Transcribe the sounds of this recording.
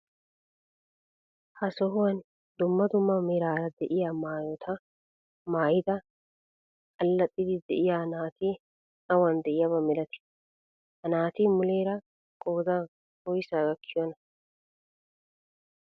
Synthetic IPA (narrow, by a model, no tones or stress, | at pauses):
hɐsɔɦʊwɐn | d̪ʊmːɐd̪ʊmːɐmɛɾaːɾɐd̪ɛʔɪjaːmaːjot̪ʰɐ | maːjɪd̪ɐ | kʼɐlːɐt̪ʼːɪd̪ɪd̪ɛ̰ʔɪjaːnaːt̪iː | ɐwɐnd̪ɛʔɪjabɐmɛlɐt̪ɪ̥ | hɐnaːt̪iːmʊle̞ːɾɐ | kʼoːd̪a | hɔjsaːɡɐkʰːɪjɔnɐ